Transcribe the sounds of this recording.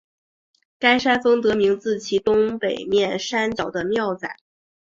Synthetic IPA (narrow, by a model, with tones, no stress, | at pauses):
ka˥ɪʂa˥nfɤ˥ŋt̪ɤ˧˥mi˧˥ŋt͡sɹ̩˥˩t͡ɕʰi˧˥t̪ʊ˥ŋpe˨˩ɪmjɛ˥˩nʂa˥nt͡ɕjɑ˨˩ʊd̪ə˦mjɑ˥˩ʊt͡sa̰˨˩˦